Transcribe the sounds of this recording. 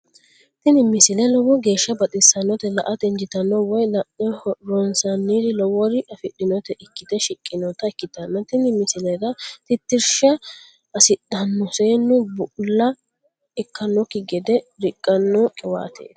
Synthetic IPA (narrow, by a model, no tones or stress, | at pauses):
t̪ɪnɪmːɪsɪlɛlɔwɔɡe̞ːʃːɐbɐt̪ʼɪsɐnːɔt̪ɛlɐʔɐt̪ɛnd͡ʒɪt̪ɐnːɔwɔjlɐʔɔɾɔnsɐnːiːɾɪlɔwɔɾɪʔɐfɪɗːɪnɔt̪ɛʔɪkːɪt̪ɛʃɪkʼːɪnɔt̪ɐɛkːɪt̪ɐnːɐt̪ɪnɪmːɪsɪlɛɾɐt̪ɪt̪ːɪɾʃɐ | ɐsɪɗɐnːɔseːnːʊbʊʔʊlːɐ | ɛkːɐnːɔkɪɡɛd̪ɛɾɪkʼːɐnːɔkʼɪwa̰ːt̪ʰḛː